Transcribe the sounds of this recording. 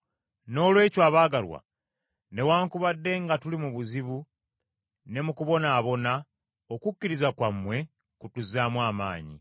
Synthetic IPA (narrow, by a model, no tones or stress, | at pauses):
no̞ːlwe̞ːcoaːβaːɡalwa̰ | ne̞waːŋkuβadːe̞ŋɡatulimuβuziβu | ne̞mukuβo̞naːβo̞na | okucːiɾizakwamːwe̞ | kutuzaːmwaːma̰ːɲḭ